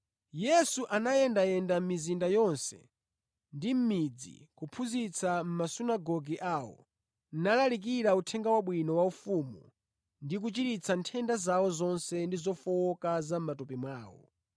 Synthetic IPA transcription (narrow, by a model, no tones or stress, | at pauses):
jɛsuʔanaɛndajɛndam̩mizindajɔnsɛ̰ | ndim̩mid͡zḭkupʰuzit͡sʰam̩masunaɡɔɡiʔaːwɔ̰ | nnalalik̬iɾautʰɛŋɡawaɓwinɔwaufumu | ndik̬ut͡ʃiɾit͡sʰantʰɛndazawɔzɔnsɛndizɔfɔwɔkazam̩matɔpimwaːwɔ̰